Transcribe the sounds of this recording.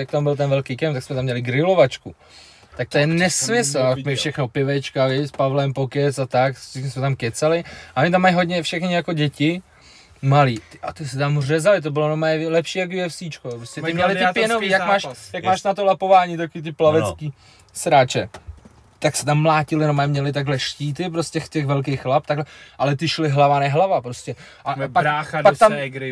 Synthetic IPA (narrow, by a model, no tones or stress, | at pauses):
jak̚t̪ambɪlt̪ɛnvɛlkejkɛmpt̪aksmɛt̪amːɲɛlɪɡɾɪlovat͡ʃku | t̪ak̚t̪ojɛnɛsmɪsl̩akmɪfʃɛxnopɪvɛt͡ʃkalɪspavlɛmpokɛsat̪akʃɛkɲɛsmɛt̪amkɛt͡salɪʔaoɲɪt̪̬amːajɦodɲɛfʃɛxnɪjakoɟɛcɪ | maliːt̪ɪʔat̪ɪsɪt̪amrɛzalɪt̪̬obɪlonomajɛlɛpʃiːjak̬jɛfsiːt͡ʃkopɾoscʲɛt̪ɪmɲɛlɪɪpɛnoviːjakmaːʃjakmaːʃnat̪olapo̞vaːɲiːt̪̬akoviːt̪̬ɪplavɛt͡skiː | sɾaːt͡ʃɛ | t̪aksɛ̥t̪amːlaːcɪlɪnomamɲɛlɪt̪aɡɦlɛʃciːt̪ɪp̬ɾoscɛxt̪ɛxvɛlk̬ejxlap̚t̪aɡlɛʔalɛt̪ɪʃlɪɦlavanɛɦlavapɾoscɛ | ʔapaɾapakt̪amɾɪ